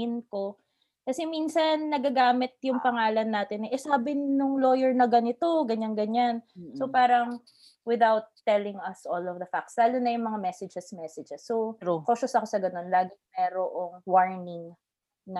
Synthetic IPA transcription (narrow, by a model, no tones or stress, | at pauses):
ɪnko | kɐsɛminsɐnːɐɡaɡaːmɪt̪̚jʊŋpɐŋaːlɐnːaːt̪ɪnːɛʔɛsaːbɪnːʊŋlo̞ːjɛɹnɐɡɐnɪt̪o̞ɡɐɲanɡɐɲansopaːɾɐŋ | wɪðawt̪ːɛlɪŋɐsʔolɔvd̪ɐfak̚t̪sd̪aːlonːɐjʊŋmɐŋamɛsɛd͡ʒɛsmɛsɛd͡ʒɛsːokoːʃʊsɐkosɐɡɐno̞nlaːɡɪŋmɛːɾoʔoŋwaɹnɪŋ | nɐ